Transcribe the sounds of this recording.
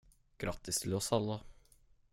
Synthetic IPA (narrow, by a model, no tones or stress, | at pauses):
ɡ̥ɾɑt̪ːɪst̪ʰɪlɔsɑlːə